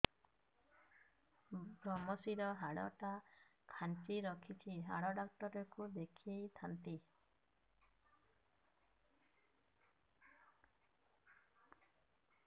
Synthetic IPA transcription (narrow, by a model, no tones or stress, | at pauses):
bɾɔmɔsiɾɔɦaɽɔ̰ʈakʰant͡ʃiɾɔkʰit͡ʃʰiɦa̰ɽɔɖɔk̚ʈɔɾɔkud̪ekʰiejt̪ʰant̪i